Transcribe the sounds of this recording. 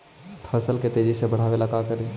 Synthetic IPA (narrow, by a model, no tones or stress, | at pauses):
t̪ʰəɾsəlket̪eːd͡ʒisebɐɽ̤aːʋeːlakaːkəɾe